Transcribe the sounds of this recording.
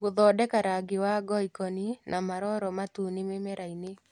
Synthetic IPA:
ɡʊðɔdɛkaɾaɡɪwaɡɔikɔninʔamaɾɔɾɔmatunɪmemɛɾʔaine

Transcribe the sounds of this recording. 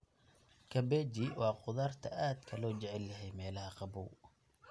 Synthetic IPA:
kʰɐbɛːd͡ʒiwɑːqʊðaːrt̪ʰɐʔaːd̪kʰɐlɔːt͡ʃɛʕɛljɐɦɛjmɛːlɐhɐqɑbuw

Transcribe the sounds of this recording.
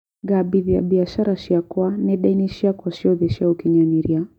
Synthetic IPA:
ɡaɓiðia̰ɓiaʃaɾaʃiakwanɛɗainiʃiakaʃiɔðɛʃiaukiɲamiɾia

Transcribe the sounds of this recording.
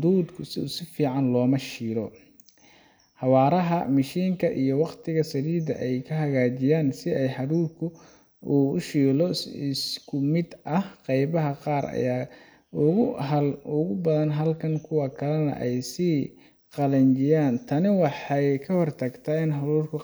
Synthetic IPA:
ʊd̪uːd̪kʰʊsɪʊsɪfiːʕɑnlɔːmɐʃiːlɔ | ħɑwɑːɾɐɦɐ̰mɐʃiːŋkʰɐʔijɞwɑqt̪ʰɪɣɐsɐɾiːd̪ɐʔɛjkʰɐɦɐɣaːt͡ʃɪjaːnsɪɛjħɑɾuːrkʰʊ | uːʊ̰ʃiːlɔɪskʰʊmɪd̪ɐhqɑjβɐɦɐqɑːɾɐ̰jaː | ʊɣʊɦɐlʊɣʊbɐðɐnɦɐlkʰɐŋkʰʊwɐkʰɐlɛnɐ̰ʔɛjsiː | qɑlɐnt͡ʃɪjaːnt̪ʰɐnɪwɑħɑjkʰɐhɔrt̪ʰɐɡt̪ʰɐɪnħɑɾuːrkʰʊ

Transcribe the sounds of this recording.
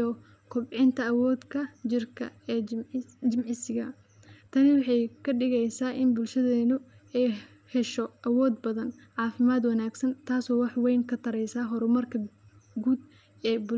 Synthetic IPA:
ɔ | kʰʊbʕɪnt̪ʰɐːwɔːd̪kʰɐd͡ʒɪrkʰɐ̰ɛːd͡ʒɪmʕɪsɪɣɐ | t̪ʰɐnɪwɑħɑjkʰɐɖɪɣɛjsaːʔɪnbʊlʃɐðɛːnʊɛj | hɛʃɔʔɐwɔːd̪bɐðɐn | ʕɑːfɪmaːd̪wɐnaːɡsɐnt̪ʰaːsɔːwɑħwɛjŋkʰɐt̪ʰɐɾɛjsaːɦɔɾʊmɐrkʰɐ | ɡuːd̪ | ɛːbʊ

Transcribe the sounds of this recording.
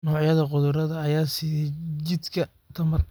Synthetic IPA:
nɔːʕjɐðɐqʊðʊɾɐðɐːjaːsit͡ʃɪd̪kʰɐ | t̪ʰɐmɐr

